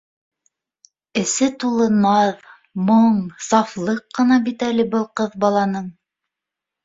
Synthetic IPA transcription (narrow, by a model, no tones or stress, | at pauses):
ɘ̆sɘt̪ulˠɤ̆nɑð | moɴsɑflˠɤqːɤ̆nɑbit̪ælɘbɤlˠqɤðbɑlˠɑnɤɴ